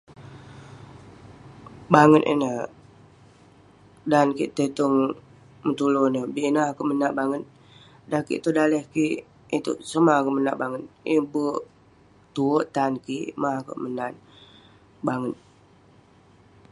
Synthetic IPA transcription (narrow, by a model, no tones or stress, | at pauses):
baŋət̪ḭnə | dankḭʔt̪ət̪uŋ | mət̪ulonəbiʔnakoʔmənaʔbaŋət̪̚ | dakḭʔt̪udaləhkiʔ | it̪ṵʔsəmakəʔmənaʔbaŋət̪̚ibə | t̪uəʔt̪ankiʔmako̰ʔmənat̪̚ | baŋət̪̚